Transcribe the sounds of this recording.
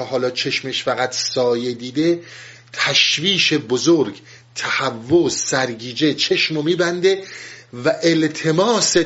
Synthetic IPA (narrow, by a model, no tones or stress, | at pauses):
ɒhɒːlɒːt͡ʃʰe̞ʃmeʃfæɣæt̪ʰsɒːje̞d̪iːd̪e̞ | t̪ʰæʃviːʃe̞bozoɾɡ | t̪ʰæhævːozːæɾɡiːd͡ʒe̞t͡ʃʰe̞ʃmomiːbænd̪e̞væʔelt̪ʰe̞mɒːse